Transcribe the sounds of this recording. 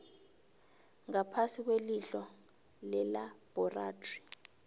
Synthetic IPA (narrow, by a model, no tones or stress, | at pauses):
ŋapʰasik̬weliɬɔ | lɛlab̥ʱɔraːdri̥